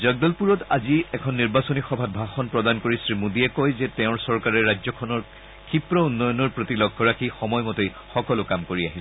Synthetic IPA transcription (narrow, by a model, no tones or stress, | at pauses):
zəɡ̚dɔlpuɹɔtaziɛkʰɔnːiɹbasɔnixɔbʱabʱaxɔnpɹɔdankoɹisɹimudiɛkɔjzɛtɛʊ̃ɹsɔɹkaɹɛɹad͡ʒzɔkʰɔnɔɹ | kʰipɹɔunːɔjɔnɔɹpɹotilɔɡʱːɔɹakʰixɔmɔjmɔtej | xɔkɔlʊkamkoɹiaɦil